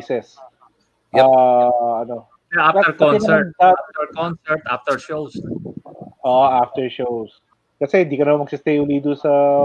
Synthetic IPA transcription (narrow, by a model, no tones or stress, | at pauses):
sɛs | ʔʔa | ɐno | akaɛkɐɔɛnɐataft̪ɛɹkɔnsɛɹt̪aft̪ɛɹʃows | ʔoʔaft̪ɛɹʃows | kɐsɛhɪnd̪iːkɐnɐmamɐɡ̚sɪst̪ejhʊlid̪ʊsɐ